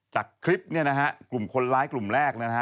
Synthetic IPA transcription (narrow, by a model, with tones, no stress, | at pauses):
t͡ɕaː˨˩kʰːɾi˦˥p̚ni˥˩ɐna˦˥kʰa˦˥ʔklu˨˩mkʰo˧nlaː˦˥jklu˨˩mɾɛː˥˩k̚na˥˦˩a˦˥